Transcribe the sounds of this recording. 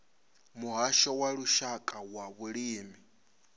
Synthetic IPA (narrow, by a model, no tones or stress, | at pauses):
muɦaʃɔwaɺuʃakʼawaβuɺiːmi